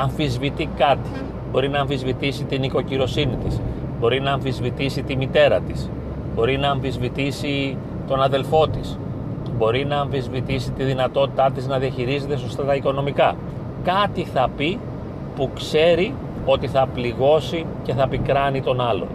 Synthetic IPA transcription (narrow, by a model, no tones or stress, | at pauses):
ɐɱfizvit̪ikɐt̪i̥ | bo̞ɾinɐːɱfizvit̪isit̪iniko̞ciɾo̞sinit̪isbo̞ɾinɐːɱfizvit̪isit̪imit̪e̞ɾɐt̪is | bo̞ɾinɐːɱfizvit̪isi | t̪o̞nɐðe̞lfo̞t̪is | bo̞ɾinɐːɱfizvit̪isit̪iðinɐt̪o̞t̪it̪ɐt̪iznɐðiɐçiɾize̞t̪e̞so̞st̪ɐt̪ɐiko̞no̞mikɐ | kɐt̪iθɐpi | pukse̞ɾi | o̞t̪iθɐpliɣo̞si | ce̞θɐpikɾɐnit̪o̞nɐlo̰